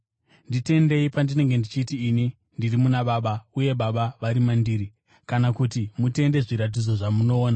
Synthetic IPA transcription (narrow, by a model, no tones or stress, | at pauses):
ndite̞nde̞ipandine̞ŋɡe̞ndit͡ʃiːtiːni | ndirimunaɓaːɓauje̞ɓaɓaʋaɾimandiːɾi | kanakutimute̞nde̞ʐiɾat̬id͡zo̞ʐamuno̞ːna